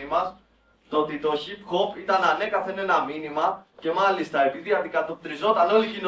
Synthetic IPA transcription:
imɐs | t̪ot̪it̪o̞çipxo̞pit̪ɐnɐne̞kɐθe̞ne̞nɐminimɐce̞mɐlist̪ɐe̞piðiɐd̪ikɐt̪o̞p̚t̪ɾizo̞t̪ɐno̞licino

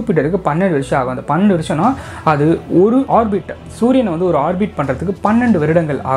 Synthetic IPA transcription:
pːɪʈ̬ːɐɾɯkːɯpɐnːɛɳɖɯʋɾɪʂɐ̃aːɣɐ̃ɐnd̪ɐpɐnːɛɳɖɯʋɪɾɪʂɐ̃nːaː | ɐðɯɔɾɯʔaːɾbɪʈː | suːɾɪjɐnːɐʋɐnd̪ɯɔɾɯaːɾbɪʈ̚pɐɳrɐðɯkːɯpɐnːɛɳɖɯʋɐɾɯɽɐŋɡɐɭa̰ːɣ

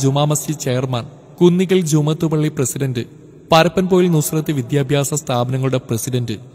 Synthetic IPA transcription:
d͡ʑumaːmɐsit͡ɕejɐrmɐɳ | kunːiɣɐld͡ʑumɐt̪ːubɐɭːiprɐsidɐndɨ | pɐɾɐpːɐnpoːjilnusrɐt̪ːɨʋid̪jaːbʱjaːsɐst̪ʰaːbɐnɐŋːɐɭuɽe̞prɐsidɐndɨ

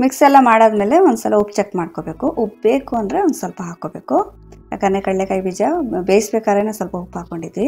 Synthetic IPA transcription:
miksɛlːɐmaːɽaːd̪meːle̞ʋond̪usɐlɐupt͡ʃek̚ʈmaːɽkobeːkuʔɔpbeːkuɐnd̪ɾeond̪usɐlpɐɦaːkoːbe̞ːku | a̰kɐnːekɐɭlekaːjibid͡ʒɐbeːjsbeːkaːɾeneːsɐlpɐɦupːɦaːkoɳɖid̪i

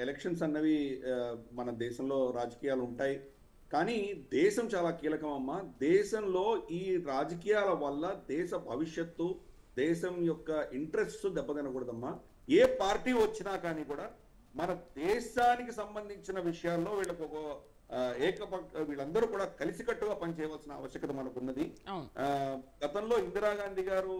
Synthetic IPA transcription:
elekʂɐns̬ɐnːɐʋi | mɐnɐd̪ɛːʃɐmlo̞ːɾaːd͡ʒɐkiːjaːluɳʈaːji | kaːniːd̪ɛːʃɐmt͡ʃaːlaːkiːlɐkɐmɐmːaːd̪ɛːʃɐmlo̞ːiːɾaːd͡ʒɐk̬iːjaːlɐʋɐlːɐd̪ɛːʃɐbʱɐʋiʂjɐt̪ːu | d̪ɛːʃɐmjɔkːɐʔiɳʈɾesʈsud̪ɛbːɐd̪ɐnɐkuːɽɐd̪ɐmːaː | eːpaːɾʈiːʋɐt͡ʃːinaːkaːniːkuːɽaː | mɐnɐd̪ɛːʃaːnikisɐmbɐnd̪ʱiɲt͡ʃinɐʋiʂɐjaːlːo̞ːʋiːɭɐkɔkɐ | ɛːkɐpɐʋiːɭːɐnd̪ɐɾuːkuːɽaːkɐlisikɐʈːuɡaːpɐnit͡ʃɛːjɐʋaːlsinɐ̰ːʋɐʃjɐkɐt̪̬ɐmɐnɐkunːɐd̪inɡ̥ɐt̪ɐmlo̞ːind̪ɾaːɡaːnd̪ʱiɡaːɾu

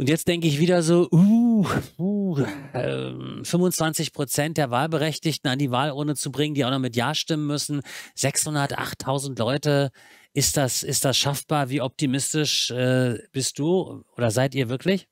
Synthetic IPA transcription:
ʔʊntjɛt͡std̥ɛŋkəɪçv̥iːdɐzoːʔu | u | ʔɛ̰ːfʏmvʊnt͡sv̥ant͡sɪçpʁ̥ot͡sɛnt̚d̥eːɐvaːlbəʁɛçtɪçtn̩andiːvaːlʔɔɐdnət͡subʁɪŋəndiːaʊxnɔχmɪtjaːʃtɪmənmʏsn̩z̥ɛkshʊndɐtʔa̰χtʰːaʊzn̩tlɔʏtə | ʔɪst̚d̥asɪst̚d̥asʃafb̥aːɐviːɔp̚timɪstɪʃʔɛːb̥ɪst̚d̥uːʔoːdɐzaɪtiːɐvɪɐklɪç

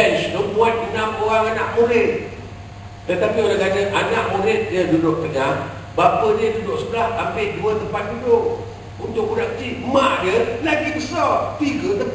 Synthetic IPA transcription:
ɛsnomuat̪̚dənamoɣaŋanaʔmuɾɪt̪̚ | t̪ət̪apioɣaŋkad͡ʒəʔanaʔmuɾɪt̪̚diədudʊʔt̪əɡaŋ | bapədiədudʊʔsəbəlaht̪ampɪduət̪əmpat̪̚dudʊʔ | unt̪ʊʔkudaʔkət͡ʃimaʔdəlaɡikəsɔpiɡət̪ə

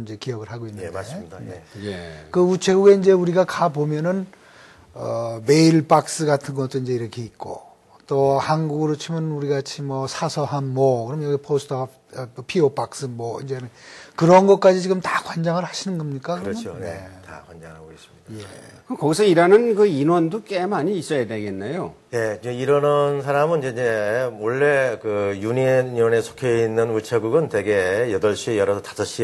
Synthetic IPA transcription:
iɲd͡ʑe̞kijʌɡɯɭɦaɡoinːɯnddje | kɯut͡ɕʰe̞ɡuɡe̞ind͡ʑe̞uɾiɡakapomjʌnɯn | ʌme̞iɭp͈ak̚s͈ɯɡatʰɯnɡʌt͈oind͡ʑe̞iɾʌkʰe̞it̚k͈o̰ | t͈ohanɡuɡɯɾot͡ɕʰimʌnuɾiɡat͡ɕʰimwʌsʰasʰʌɦanːwʌkɯɾʌmnjʌɡipʰosʰtʰʌ | pʰiop͈ak̚s͈ɯmwʌind͡ʑe̞nɯnkɯɾʌnɡʌt̚k͈ad͡ʑit͡ɕiɡɯmtakwand͡ʑaŋɯɭhaɕʰinɯnɡʌmɲik͈akɯʌoneta̰kwand͡ʑaŋɯɭhaɡois͈ɯ̥midaje̞kɯkʌɡisʰʌiɾanɯnkɯinwʌndok͈emaɲiːs͈ʌjadwe̞ɡe̞nːajoneeiɾʌnʌns̬ʰaɾamɯniɲd͡ʑeid͡ʑemʌɭːe̞kɯjuɲiiwʌnesʰo̥kʰjʌinːɯnuɭt͡ɕʰeɡuɡɯntwe̞ɡejʌdʌɭɕ͈iejʌɾʌsʰʌtḁsʰʌɕ͈i

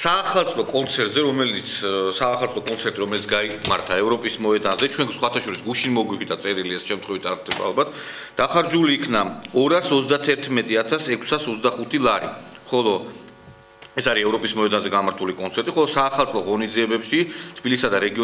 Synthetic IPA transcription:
saːχalˠt̪sʼlɔkʼɔnt̪sʰɛɾt̪ʼzɛɾɔmɛlit̪ssaːχalˠt̪ʼlɔkʼɔnt̪sʰɛɾt̪ʼiɾɔmɛlit̪sɡaimaɾt̪ʰaɛvɾɔpʼismɔɛd̪anzɛt͡ʃʰwɛŋksχwat̪ʰaʃɔɾisɡuʃinmɔɡwipʰid̪at̪sʼɛɾiliɛsʃɛmt̪ʰχwɛvit̪ʰaɾχd̪ɛba̰a̰lˠbat̪ʰ | d̪̥aχaɾd͡ʒuliːkʰnaɔɾasɔt̪zsd̪at̪ʰɛɾt̪ʰmɛt̪ʼiat̪ʰasɛkʰsasɔt̪d̪aχut̪ʰilˠaɾḭmχɔlˠɔ | ɛsaɾiɛvɾɔpʼismɔɛd̪anzɛɡamaɾt̪ʰulikʼɔnt̪sʰɛɾt̪ʼiχɔlˠɔsaːχalˠt̪sʼlɔʁɔnid̪ziɛbɛpʃit̪ʰb̥ilisad̪aɾɛɡiɔ

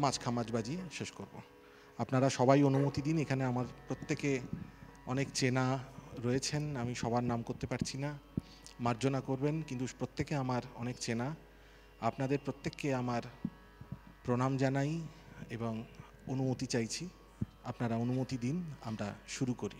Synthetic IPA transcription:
mat͡ɕkʰamad͡ʑbad͡ʑiʃeʃkoɾbo | apnaɾaʃɔbajonumot̪id̪inekʰaneamaɾpɾot̪ːeke | ɔnekt͡ɕenaɾojet͡ɕʰenamiʃɔbaɾnamkoɾt̪epaɾt͡ɕʰina | maɾd͡ʑonakoɾbenkint̪upɾot̪ːekeamaɾɔ̰nekt͡ɕena | apnad̪eɾpɾot̪ːekːeamaɾ | pɾonamd͡ʑanajeboŋ | onumot̪it͡ɕajt͡ɕʰi | apnaɾaonumot̪id̪ina̰mɾaʃuɾukoɾḭ

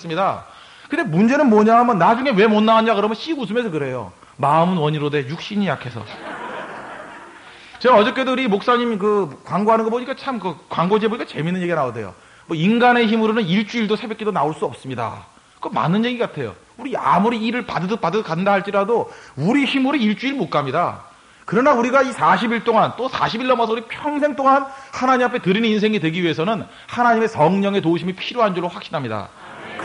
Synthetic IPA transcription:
s͈ɯmɲida | kɯnde̞mund͡ʑe̞nɯnmwʌɲaɦamjʌnːad͡ʑuŋe̞we̞monːaɦaɲakɯɾʌmjʌnɕ͈ʰimus̬ʰɯme̞sʰʌkɯɾe̞jo̰ | maɯmɯnwʌɲiɾode̞juk̚ɕ͈iɲijakʰe̞sʰʌ̰ | t͡ɕe̞ɡaʌd͡ʑʌk͈edɯɾimok̚s͈aɲimkɯkwaŋɡoɦanɯnɡʌp̬oɲik͈at͡ɕʰamkɯkwaŋɡod͡ʑiɦeboɲik͈at͡ɕe̞minːɯnje̞ɡianaode̞̰jo̰ | mwʌinɡane̞çimuɾonɯniɭt͡ɕ͈uiɭdosʰe̞bjek͈idonaoɭs͈uʌp̚s͈ɯmɲida̰ | kɯɡʌma̰nɯnje̞ɡiɡatʰe̞jo̰ | uɾia̰muɾiːɾɯɭpadɯdopadɯkandaɦaɭt͡ɕ͈iɾadouɾiçimuɾeiɭt͡ɕ͈uiɭmok͈amɲida | kɯɾʌnauɾiɡaisʰaɕʰibiɭt͈oŋant͈osʰa̰ɕʰibiɭːʌmʌs̬ʰʌuɾipʰjʌŋs̬ʰe̞ŋt͈oŋanhanaɲimapʰetɯɾinɯnins̬ʰe̞ŋidwe̞ɡiɥie̞sʰʌnɯn | hanaɲime̞sʌŋɲʌŋe̞touɕʰimipʰiɾjoɦand͡ʑoɭːoɸwak̚ɕ͈inɦamɲida̰

